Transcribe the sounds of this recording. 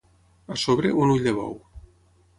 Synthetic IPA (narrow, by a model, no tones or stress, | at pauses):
asoβɾeʔunuʎd̪eβɔ̰w